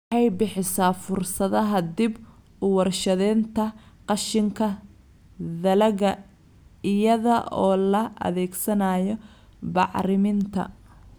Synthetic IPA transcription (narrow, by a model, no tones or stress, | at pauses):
ɑjbɪħɪsaːfʊrsɐðɐɦɐd̪ɪb | ʊwɐrʃɐðɛːnt̪ʰɐqɑʃɪŋkʰɐ | ðɐlɐɣɐ | ɪjɐðɐʔɔːlɐʔɐ̰ðɛːɡsɐnaːjɔ | bɑʕɾɪmɪnt̪ʰɐ̰